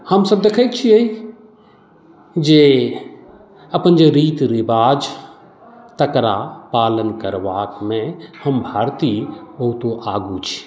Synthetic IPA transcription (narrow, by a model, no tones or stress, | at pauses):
həmsəb̚d̪ekʰək̪̚t͡ʃʰiəi | d͡ʒe | ɐpənd͡ʒeɾiːt̪ɾɪbaːd͡ʒ | t̪əkɾa̰paːlənkəɾʋaːkmẽhəmbʱaːɾt̪ibəɦut̪oʔaːɡut͡ʃʰi̥